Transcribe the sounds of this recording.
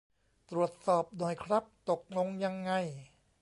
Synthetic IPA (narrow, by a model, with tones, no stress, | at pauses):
t̪ɾu˨˩ət̪̚sɔː˨˩p̚nɔ˨˩jkʰɾa˦˥p̚t̪o˨˩k̚no˧ŋja˧ŋːa˧j